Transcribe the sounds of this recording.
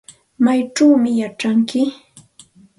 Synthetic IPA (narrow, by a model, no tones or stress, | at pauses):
majʈ͡ʂawmɪjaʈ͡ʂaŋkɪ